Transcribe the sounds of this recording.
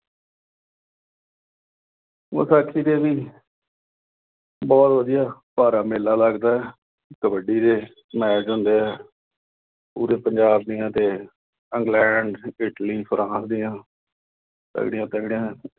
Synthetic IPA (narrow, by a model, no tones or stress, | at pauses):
o̰saːkʰːiːd̪eːbiː | bɔːt̪ʋəd̪ɪjaːpaːɾaːmeːlaːləɡd̪aːɛː | ɪkəbəɖiːɾeː | mɛːd͡ʒɦʊ̃nd̪eːɛː | pṵːɾeːpəɲd͡ʒaːbd̪ɪjãːt̪eː | əŋɡlɛːɳɖɪʈliːpʰɾʔãːsd̪ɪjãː | t̪ə̰ɡɽɪjãːt̪əɡɽɪjãː